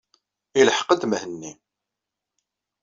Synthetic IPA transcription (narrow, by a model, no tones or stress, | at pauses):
ilħə̥qəd̪məhənːi